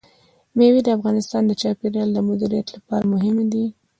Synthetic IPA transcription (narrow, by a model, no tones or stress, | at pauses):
mewid̪əafɣɑnɪst̪ɑnd̪ət͡ʃɑpeɾjɑld̪əmʊd̪iɾijat̪lapɑɾamʊɦɪmd̪i